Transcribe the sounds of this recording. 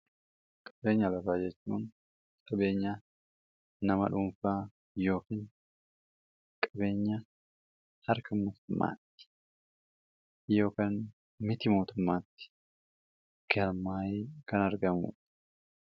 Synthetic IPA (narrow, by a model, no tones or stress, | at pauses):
kʼɐ̥be̞ːɲːɐlɐfaːd͡ʒɛt͡ʃːuːn | kʼɐbe̞ːɲːɐ | nɐmɐ̰ᶑʊmfaː | jo̞ːkiːn | kʼɐbe̞ːɲːɐ | hɐɾkɐmoːt̪ʊmːa̰ːt̪ːɪ̥ | jo̞ːkaːn | mɪt̪ɪmo̞ːt̪ʊmːaːt̪ːɪ̥ | ɡ̥ɐɾmaːjeːkɐnɐɾɡɐmṵᶑɐ̥